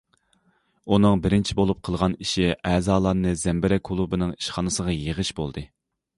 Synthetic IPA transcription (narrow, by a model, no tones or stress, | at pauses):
unɨŋbɪɾɪnt͡ʃʰibolˠup̚qʰəlˠʁɑniʃiʔɛːzɑːlˠɑɾnɨzɛmbɪɾɛkʰulˠubɨnɨŋiʃχɑnɨsəʁɑjeʁəʃbolˠd̪ɨ